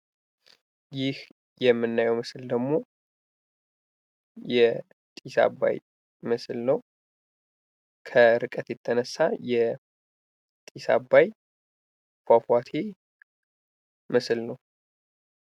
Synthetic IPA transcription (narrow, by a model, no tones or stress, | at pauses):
jɪh | jɛmːɨnːajɛwmɨsɨld̪əɡmo̞ | jɛ | t̪ʼisa̰bːa̰j | mɨslnəw | kʰəɾɨkʼət̪jɛt̪ʼʰːənəsːajɛ | t̪ʼisa̰bːaj | fafwat̪ʰe | mɨslnəw